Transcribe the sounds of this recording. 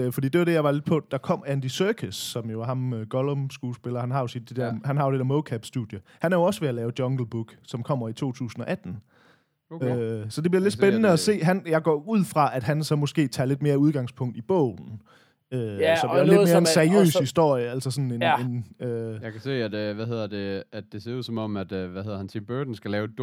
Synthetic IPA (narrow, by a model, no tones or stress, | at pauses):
øfɒdḭːd̥e̝ʋɑɾ̥e̝jɑ̈ɪʋɑ̈le̝d̥pʰɒ̽d̥ɑ̈kʰɒ̽m̰ænd̥isœːkʰəsːɒ̽mjo̝ɦɑ̈møɡ̥ɒlɔmsɡ̥uːsb̥elɐhænɦɑ̈jo̝si̥d̥ed̥ɛɐ̰hænɦɑ̈jo̝ded̥eɐmoʊkʰæb̥sd̥ṵð̥ˠjəhænæɐjo̝ɒ̽səʋeælɛːʊd̥jɒ̽ŋɡ̥l̩b̥uɡ̥sɒ̽mkʰɒ̽m̰ɐit͡sʰo̝̰ːt͡sʰṵːsn̩ɒ̽ʔæd̥n̩ | øsɒ̽d̥e̝b̥liɐle̝d̥sbenənəæse̝̰ːɦænjɑ̈ɪɡ̥ɒ̰uð̞̰ˠfʁɑ̈ʔæd̥ɦænsɒ̽mɔ̽sɡ̥e̝̰ːt͡sʰɑ̰̈ːle̝d̥̚me̝ːɐuð̞ˠɡ̥ɑ̈ŋspʰɔ̽ŋ̰d̥ib̥ɔ̰̽ʊ̰n̩ | øsɒ̽b̥iled̥me̝ɐensæɐiø̰ːshisd̥o̝ɐ̰jəæl̰sɐsɒ̽nenenøjɑkʰæse̝̰ːæd̥ʋæɦe̝ð̞̰ˠɐd̥e̝æd̥e̝se̝ɐuð̰ˠsɒ̽mɒ̽mæd̥ʋæheð̰ˠɐhænt͡sʰimb̥ød̥n̩sɡ̥ælɛːʊ̥